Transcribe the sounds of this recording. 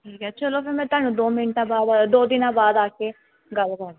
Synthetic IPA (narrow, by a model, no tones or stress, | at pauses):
ʈʰiːkɛt͡ʃʰəloːpɪɾmɛ̃ːt̪ʊaːnũːd̪oːmɪɳʈãːbaːd̪d̪oːd̪ɪnãːbaːd̪aːke | ɡəlkəɾd̪